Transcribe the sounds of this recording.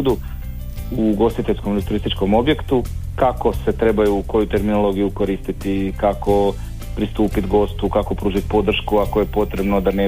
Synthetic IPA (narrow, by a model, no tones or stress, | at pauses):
d̪u | uɡo̞st̪it̪e̞ʎʲskomlit̪uɾist̪it͡ʃko̞mo̞bje̞kt̪ukako̞se̞t̪ɾe̞bajuːko̞jut̪e̞ɾminolˠo̞ɡijuko̞ɾist̪it̪ikako̞ | pɾist̪uːpit̪ɡo̞st̪ukako̞pɾuːʒit̪po̞d̪r̩ʃkuakoje̞po̞t̪ɾe̞bno̞d̪ane